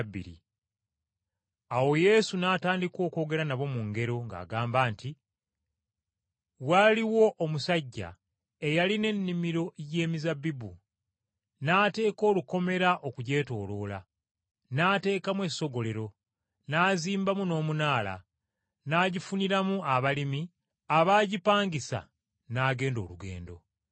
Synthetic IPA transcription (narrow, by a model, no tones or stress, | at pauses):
bːḭɾḭ | awo̞je̞sunaːtaːndikwo̞ːko̞ːɡe̞ɾanaβo̞muŋɡe̞ɾo̞ŋɡa̰ːɡaːmbaːnti | waliwo̞ʔːmusaɟːa̰ | e̞jaline̞nːimiɾo̞je̞ːmizabːibṵ | naːte̞ːko̞ːluko̞me̞ɾaʔokuɟe̞ːto̞ːlo̞ːla | naːte̞ːkamwe̞so̞ɡo̞le̞ɾo̞ | naːziːmbamuno̞ːmunaːla̰ | naːɟifuniɾamuaβalimi | aβaːɟipaːŋɡisa̰ | naːɡe̞ːndo̞̰ːluɡe̞̰ːndo̞̰